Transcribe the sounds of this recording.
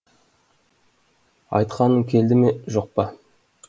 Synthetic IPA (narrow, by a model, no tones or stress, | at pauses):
ɑ̰jt̪qɑnəŋkʲʰe̞ld̪ɪme̞ʒo̞q̚pɑ